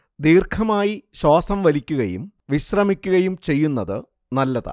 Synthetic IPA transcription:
d̪iːrkʰɐmaːjiɕwaːsɐmʋɐlikʲːuɣɐjṵm | ʋiɕrɐmikʲːuɣɐjumt͡ɕe̞jːunːɐðɨ | nɐlːɐða̰ː

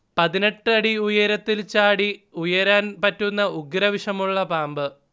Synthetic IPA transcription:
pɐðine̞ʈːɐɽiujɐɾɐt̪ːilt͡ɕaːɽiujɐɾaːnpɐtːunːɐuɡɾɐʋiʂɐmuɭːɐpaːmbɨ

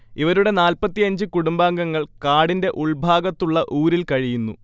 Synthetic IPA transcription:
iʋɐɾuɽe̞naːlpɐt̪ːijɐɲd͡ʑɨkuɽumbaːŋɡɐŋːɐɭkaːɽinde̞ʔuɭbʱaːɡɐt̪ːuɭːɐʔuːɾilkɐɻijunːṵ

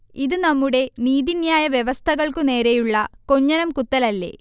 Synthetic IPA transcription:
iðɨnɐmːuɽe̞niːðinjaːjɐʋjeʋɐst̪ʰɐɣɐɭkune̞ːɾejuɭːɐkoɲːɐnɐmkut̪ːɐlɐlːe̞̰ː

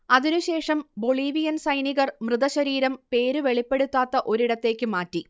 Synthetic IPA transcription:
ɐðinuɕe̞ːʂɐmbo̞ɭiːʋijɐnsɐjniɣɐrmrɨðɐɕɐɾiːɾɐmpe̞ːɾɨʋe̞ɭipːe̞ɽut̪ːaːt̪ːɐʔo̞ɾiɽɐt̪ːe̞ːkʲːɨmaːtːi

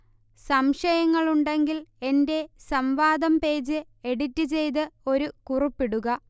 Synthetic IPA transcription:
sɐmʂɐjɐŋːɐɭuɳɖe̞ŋɡile̞nde̞sɐmʋaːd̪ɐmpe̞ːd͡ʑɨ | e̞ɽitːɨt͡ɕe̞jt̪ɨo̞ɾukuripːiɽuɣɐ

